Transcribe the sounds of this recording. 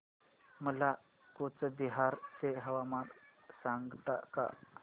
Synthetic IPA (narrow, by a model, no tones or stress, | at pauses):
məla | kot͡səbiɦaɾt̪eɦəʋamansãŋɡt̪a̰ka̰